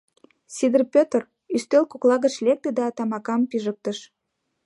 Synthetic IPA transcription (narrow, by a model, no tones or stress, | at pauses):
sʲid̪ərpʲøt̪r | yst̪ølkoklɑɣət͡ɕlek̚t̪ed̪ɑːt̪ɑmɑkɑmpiʒək̚t̪əʃ